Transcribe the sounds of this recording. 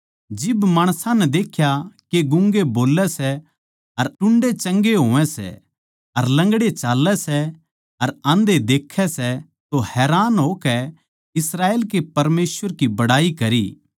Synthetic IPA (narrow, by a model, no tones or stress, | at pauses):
d͡ʒɪbmaːɽ̃sãnɛd̪eːkʰjakeɡʊ̃ŋɡeboːlɛsɛ | ɐɾʈʊ̃ɳɖet͡ʃɐ̃ŋɡeɦoːʋɛ̃sɛ̰ | ɐɾlɐ̃ŋɡɽet͡ʃaːlːɛsɛ | ɐɾãːnd̪ed̪eːkʰːɛsɛ | t̪ohɛːɾaːnɦoːkɛ | ɪsɾaːeːlkepɐɾmeːsʋəɾkibɐɽaːikɐɾḭː